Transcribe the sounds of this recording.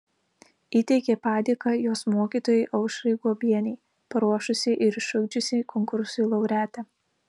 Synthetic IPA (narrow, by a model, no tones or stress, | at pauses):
iːt̪ʲɛɪkʲepɑːd̪ʲiːkɑjoːsmuːkʲiːˑt̪oːjɛɪʔɐʊʃɾʲɐɪɡuɔbʲiɛnʲɛɪ | pɐɾuɔʃʊsʲɪʔɪɾɪʃʊʊɡd͡ʒʲʊsʲikʰɔŋkʊɾsʊːlˠɐʊɾʲæːt̪ʲɛ